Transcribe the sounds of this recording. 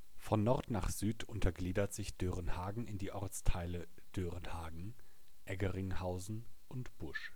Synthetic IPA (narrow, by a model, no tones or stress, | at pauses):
fɔnːɔʁtnaːχz̥yːtʰʊntʰɐɡliːdɐtz̥ɪçd̥øʁənhaːɡŋ̩ɪndiːʔɔʁt͡stʰaɪlə | d̥øʁənhaːɡŋ̩ | ʔɛɡəʁɪŋhaʊzn̩ʔʊntb̥ʊʃ